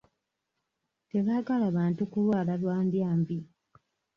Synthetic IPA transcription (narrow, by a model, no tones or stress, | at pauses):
te̞βaːɡalaːβaːntukulwaːlalwaːndjaːmbi